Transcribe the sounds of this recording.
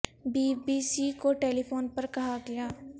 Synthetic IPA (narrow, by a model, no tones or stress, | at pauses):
biːbiːsikoʈeːlipʰoːnpɐɾkɐɦaɡɐjaː